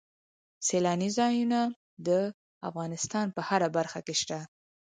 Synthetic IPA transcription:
selɑnizɑjuna | d̪ə | a̰fɣɑnɪst̪ɑnpəhaɾabaɾxakeʃt̪a

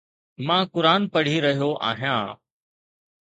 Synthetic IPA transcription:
mãːkʊɾaːnpəɽ̤iːɾəɦijoːʔa̰ːɦijãː

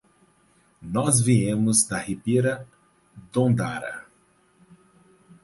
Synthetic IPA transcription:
nɔzviẽmʊzd̪ɐhipiɾɐ | d̪õd̪a̰ɾɐ̰

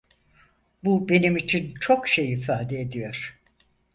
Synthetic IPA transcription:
bube̞nimit͡ʃʰint͡ʃʰo̞kʃe̞jifaːd̪eed̪ijo̞ɾ̥

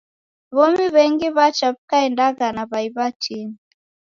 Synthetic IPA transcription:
βɔmiβɛŋɡiβat͡ʃaβikaɛndaɣanaβaiβat͡ʃini

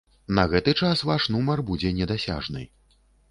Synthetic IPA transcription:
nɐɣɛt̪ɨt͡ʂasvaʂnumɐrbud͡zʲɛnʲɛd̪asʲa̰ʐnɨ̰

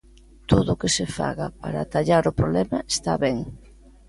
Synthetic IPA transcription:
t̪oðʊkesefa̰ɣapa̰ɾa̰t̪aʎaɾʊpɾoβlɛmɐest̪a̰βɛŋ

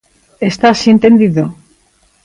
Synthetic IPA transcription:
est̪asient̪e̞nd̪iðo

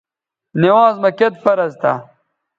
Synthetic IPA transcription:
niwaːzmɐket̪̚pɐɾɐzt̪ɐ̰

